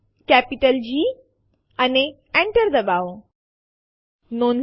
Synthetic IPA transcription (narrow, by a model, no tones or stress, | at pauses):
kæpiʈəld͡ʑi | ane | ɛ̃ɳʈəɾd̪əbaw | non